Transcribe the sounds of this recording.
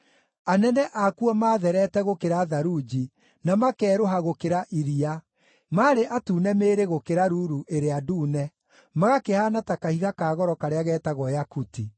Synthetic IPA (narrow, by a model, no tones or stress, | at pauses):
anɛnɛʔakuɔmaːðɛɾɛtɛɣokeɾaðaɾud͡ʒi | namakɛːɾoɦaɣokeɾaʔiɾia | maːɾeʔatuːnɛmeːɾeɣokeɾaɾuːɾuʔeɾeaduːnɛ | maɣakehaːnatakahiɣakaːɣɔɾɔkaɾeaɣɛːtaɣɔjakuti